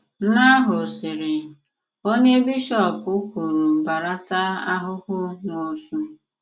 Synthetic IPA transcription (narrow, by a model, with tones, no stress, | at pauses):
n̩˦na˦ɦʊ˨sɪ˨ɾɪ˨ | o˦ɲe˦bi˦ʃɔ˦˨pʊ˦ku˨ɾu˨ba˨ɾa˦ta˦a˦ɦʊ˦hʊ˦no˨su˦